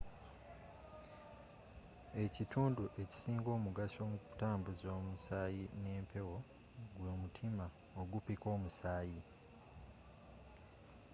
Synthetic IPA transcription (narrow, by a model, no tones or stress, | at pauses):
e̞citʰuːnduʔe̞ci̥siːŋɡo̞ːmuɡaso̞ːmuku̥taːmbuzio̞ːmusaːjine̞ːmpʰe̞wo̞ | ɡwoːmutʰima | oɡupiko̞ːmusaːji